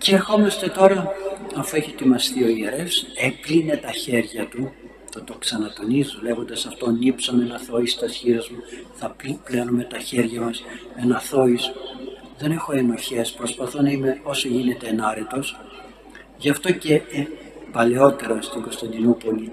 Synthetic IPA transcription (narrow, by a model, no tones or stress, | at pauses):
ceːɾxo̞mɐst̪e̞t̪o̞ɾɐɐfue̞çiet̪imɐst̪io̞ieɾe̞fsepline̞t̪ɐçe̞ɾʝɐt̪u | t̪ot̪oksɐnɐt̪o̞nizðule̞ɣo̞nd̪ɐsɐft̪o̞nipsonenɐθo̞ist̪ɐsçiɾɐzmuθɐpiplenume̞t̪ɐçe̞ɾʝɐmɐs | enɐθo̞isðe̞ne̞xo̞e̞no̞çe̞spɾo̞spɐθonɐime̞o̞soʝine̞t̪e̞ːnɐɾe̞t̪o̞s | ʝɐft̪o̞ce | pɐle̞o̞t̪e̞ɾɐst̪iŋɡo̞st̪ɐnd̪inopo̞li